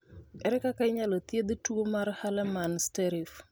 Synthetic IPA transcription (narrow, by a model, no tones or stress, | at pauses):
ɛɾɛkakaɪɲalot̪jed̪tuomarhalɛmanstɛɾif